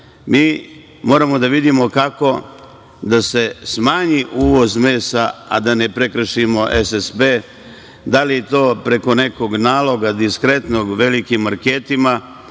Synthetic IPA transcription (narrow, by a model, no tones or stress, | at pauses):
miː | mo̞ːɾamo̞d̪aʋid̪imo̞kako̞ | d̪ase̞smaːɲiʔuːʋo̞zmeːsaa̰d̪anepɾekɾr̩ʃimo̞ʔesesbe | d̪alijet̪o̞ːpɾe̞ko̞ne̞ko̞ɡnaːlo̞ɡad̪iskɾe̞t̪no̞ɡʋe̞likimːaɾkeːt̪ima